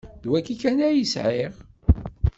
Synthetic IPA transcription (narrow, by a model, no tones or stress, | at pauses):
ðwækːikːænæjəsʕiʁ